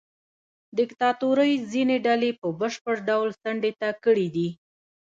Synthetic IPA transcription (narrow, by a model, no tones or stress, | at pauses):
d̪ɪkt̪ɑt̪uɾəjzineɖalepəbəʃpəɽɖawlsaɳɖet̪akəɽid̪i